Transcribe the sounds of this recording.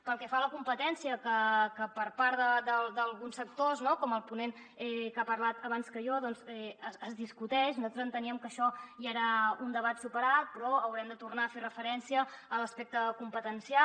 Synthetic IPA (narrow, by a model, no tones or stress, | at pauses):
pəlˠkɛfaləkumpət̪ɛnsiəkəkəpəɾpaɾðəd̪əlˠd̪əlˠɣunsək̚t̪oznokɔməlˠpunen | ɛkapəɾlat̪əβ̞anskəʒɔðɔnzɛəəzðiskut̪ɛʃnuzalˠt̪ɾəzənt̪əniəmkəʃɔjieɾaund̪əβ̞at̪supəɾat̪̚pɾɔəwɾɛmd̪ət̪urnaːferəfəɾɛnsiəːləspek̚t̪əkumpət̪ənsia